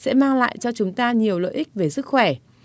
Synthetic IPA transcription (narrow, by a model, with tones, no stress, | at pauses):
sɛ̰˧˥maː˧ŋla̰ː˧˨jt͡ɕɔ˧t͡ɕʊ˨˦ŋ͡mt̪aː˧ɲi˨˩əwlə̰ː˧˨ʔi˦˥k̟̚ve˨˩sɨ˦˥k̚xwɛ˧˩